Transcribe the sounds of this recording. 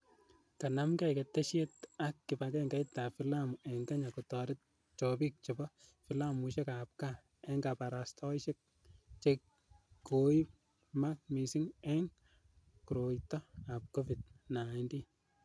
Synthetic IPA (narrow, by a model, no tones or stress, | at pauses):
kanamkɛkɛtːeʃetakːɪpakɛŋɡaitafilamuɛŋɡaɲakutɔɾɪt̚ | t͡ʃɔbik̚t͡ʃibɔfilamuʃɛkap̚ka | ɛŋɡapaɾastʰɔɪʃɛk̚ | t͡ʃekː | oip̚ | mak̚misiŋɛŋ | kuɾojtɔap̚kofid̚naɪndi